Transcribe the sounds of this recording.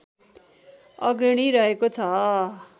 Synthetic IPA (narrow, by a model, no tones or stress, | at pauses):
ʌɡɾiɽ̃iɾʌɦekot͡sʰʌ